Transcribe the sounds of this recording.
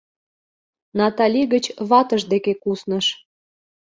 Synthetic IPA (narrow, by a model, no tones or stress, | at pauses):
nɑt̪ɑlʲiɣət͡ɕβɑt̪əʒd̪ekekusnəʃ